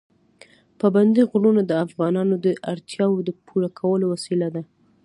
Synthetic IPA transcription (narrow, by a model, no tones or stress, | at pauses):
paband̪iɣɽunad̪əafɣɑnɑnod̪əʔaɾt̪ʰjɑwod̪əpʰuɾakʰawəlowasilad̪a